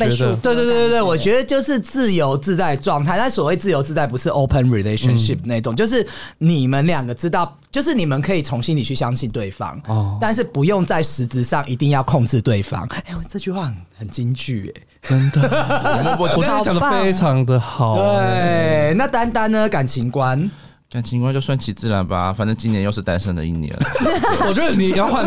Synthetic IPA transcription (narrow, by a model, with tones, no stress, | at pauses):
pe˥˩˥t̪we˥˧ɪt̪w̪wtwt̪wwɔ˨˩t͡ɕɥɛ˧˥d̪ə˨t͡ɕjo˥˧ʊʂɻ̩˥˧t͡sɹ̩˥˨jo˧˦ʊt͡sɹ̩˥˧t͡sa˥˧ɪʈ͡ʂwɑ˥˧ŋt̪ʰa˥˧ɪna˥˩swɔ˨˩we˥˧ɪt͡sɹ̩˥˩jo˧ʊt͡sɹ̩˥˧t͡sa˥˩ɪp̬u˧˥ʂɻ̩˥˩ʔo˦ʊpʰə˧nɹi˨le˦ɪʃə˧nʂi˥˨˩p̚na˥˧i˥˩ʈ͡ʂo˨˩ŋt͡ɕjo˧ʂ̬ɻ̩˥˩ni˨˩mə˦nljɑ˨˩ŋɡə˩ʈ͡ʂɻ̩˧˦t̪ɑ˥˩ʊ | t͡ɕjo˥˧ʊʂɻ̩˥˩ni˨˩mə˨nkʰə˧˥i˨˩t͡sʰo˧˥ŋɕi˥˦nli˨˩t͡ɕʰy˥˩ɕjɑ˦˥ŋɕi˥˧nt̪we˥˩ɪfɑ̰˦˥ŋt̪a˥˧nʂ̬ɻ̩˥˩pu˨˧˦jo˥˧ŋt͡sa˥˩ɪʂɻ̩˧˦˥t͡s̩˧ʂɑ˥˩ŋʔi˧˥t̪i˥˧ŋjɑ˥˧ʊkʰo˥˧ŋt͡sɻ̩˥˧t̪we˥˨˩ɪfɑ̰˦ŋe˥˩wʈ͡ʂɤ˥˧t͡ɕy˥˧xwa˥˧˩xə˨˩nt͡ɕi˦˥nt͡ɕy˥˩ḛ˨˩ | ə˦˥nd̪ə˩˨wɔ˨˥˨t͡ɕjɑ˨ŋd̪əe˦˥ɪʈ͡ʂʰɑ˨˦ŋd̪ə˨xɑ˨˩we˥˨˩na˥˨t̪a˦nt̪a˦nːə˧ka˨˩nt͡ɕʰi˧˥ŋkwa˦n | ka˨˩nt͡ɕʰi˧˥ŋkwa˥˦nt͡ɕjo˥˧ʊswa˥˩nt͡ɕʰi˧t͡sɹ̩˥˩˨la˨˦nba̰˧fa˨˩nt͡sə˥˩t͡ɕi˦˥njɛ˧˦njo˥˧ʊʂɻ̩˥˩t̪a˦nʂə˥˩nd̪ə̰˨ḭ˥˩njɛ̰˧˦nwɔ˨t͡ɕɥɛ˧˦d̪ə˧ni˨˦jɑ˥˧ʊxwa˥˨n